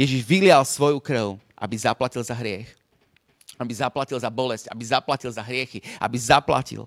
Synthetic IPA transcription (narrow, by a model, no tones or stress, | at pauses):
jɛʒiʒʋilɪalsʋɔjukɾəʊʔa̰bizaplacilˠzaɦɾɪɛx | abizaplacilˠzabɔlɛsca̰bizaplacilˠzaɦɾɪɛxiʔa̰bizapla̰cḭl